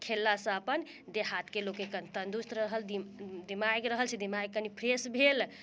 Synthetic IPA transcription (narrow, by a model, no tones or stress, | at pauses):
kʰelːasə̃əpən | d̪eɦat̪ʰkelokekənt̪ənd̪ust̪ɾɾəɦəld̪id̪imajkɾəɦəlsʰed̪imaj̚kːənipʰɾesbʱel